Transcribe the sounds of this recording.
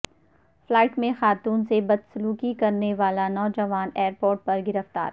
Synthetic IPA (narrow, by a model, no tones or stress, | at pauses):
flaːɪʈmẽxaːt̪uːnsebɐd̪sʊluːkikɐɾneʋaːlanɔːd͡ʒɐʋaːneːɾpoːɾʈ̚pɐɾɡɪɾəft̪a̰ːɾ